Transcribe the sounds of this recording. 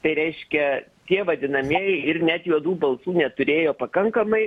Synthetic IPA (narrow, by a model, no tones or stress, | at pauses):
t̪ɐɪɾʲɛɪʃʲkʲɛ | t̪ʲiɛʋɐd̪ʲɪnɐmʲiɛjɪɾnʲæt̪juɔd̪uːbɐlˠsuːnʲɛt̪ʊɾʲeːjoːpɐkɐŋkɐmɐɪ